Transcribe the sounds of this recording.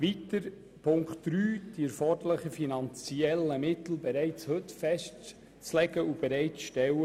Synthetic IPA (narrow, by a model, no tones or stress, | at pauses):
ʋitəɾ | pʰʊŋktd̥ɾyːd̥iɛɾfɔdələχəfinɑnt͡siɛlːəmɪt̪l̩bɛɾɛɪt͡shɵtfɛst | t͡slɛɡəub̥ɛɾæɪtt͡sʃtɛwə